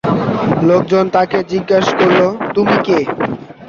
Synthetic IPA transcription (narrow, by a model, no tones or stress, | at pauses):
lok̚d͡ʑont̪aked͡ʑiɡːaʃkoɾlot̪umike